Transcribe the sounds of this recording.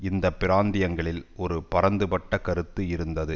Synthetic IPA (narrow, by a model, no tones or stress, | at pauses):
ɪnd̪ɐpːɪɾaːnd̪ɪjɐŋɡɐɭɪlɔɾɯpɐɾɐnd̪ɯpɐʈːɐkɐɾɯt̪ːɯɪɾɯnd̪ɐðɯ